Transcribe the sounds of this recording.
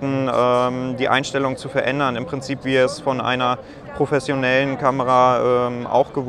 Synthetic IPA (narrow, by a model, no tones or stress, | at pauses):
tn̩ʔɛːmdiːʔa̰ɪnʃtɛlʊŋt͡sufɛɐʔɛndɐnɪmpʁ̥ɪnt͡siːpv̥iːɛsfɔnʔa̰ɪnɐ | pʁ̥ofɛsjonɛlənkʰaməʁaʔɛːmʔa̰ʊxɡ̥əv